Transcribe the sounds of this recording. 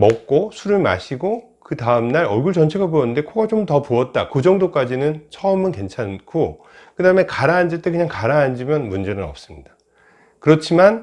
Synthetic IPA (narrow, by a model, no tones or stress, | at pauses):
mʌk̚k͈osʰuɾɯɭma̰ɕʰiɡo | kɯtaɯmnaɾʌɭɡuɭt͡ɕʌnt͡ɕʰe̞ɡaboʌnːɯnde̞kʰoɡat͡ɕomtʌpoʌt̚t͈akod͡ʑʌŋdok͈ad͡ʑinɯnt͡ɕʰʌʌmɯnke̞nt͡ɕʰankʰo | kɯdaɯme̞kaɾaːnd͡ʑit͈ekɯɲaŋkaɾaːnd͡ʑimjʌnmund͡ʑe̞nɯnʌ̰p̚s͈ɯmɲida | kɯɾʌt͡ɕʰiman